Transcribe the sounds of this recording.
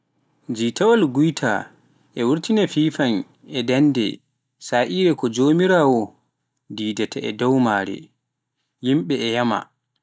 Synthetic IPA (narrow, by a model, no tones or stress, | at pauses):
d͡ʒiːtawalɡujtʰa̰ | ʔɛwuɾtinafiːfan | ɛdandɛ̰ | saːʔiːɾɛkɔd͡ʒoːmiɾaːwɔ | diːdatʰaɛ̰dɔwmaɾɛ̰ | jimɓɛɛjama̰